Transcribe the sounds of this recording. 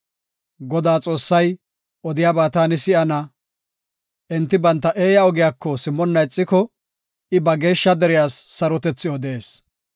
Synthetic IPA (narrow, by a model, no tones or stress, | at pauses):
ɡɔd̪aːt͡sʼo̞ːsːɐj | ɔd̪ɪjaːbaːt̪aːnɪsɪɐnɐ | ʔɛnt̪ːɪbɐnt̪ːɐʔeːjɐɔɡɪjaːkːɔsɪmːɔnːɐjt͡sʼːɪkɔ | ɪbɐɡe̞ːʃːɐd̪ɛɾɪjaːsːɐɾɔt̪ɛt͡sːɪɔd̪eːs